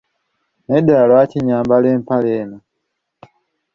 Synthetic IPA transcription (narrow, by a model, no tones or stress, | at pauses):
nedalwaciɲaːmbaleːmpaleːna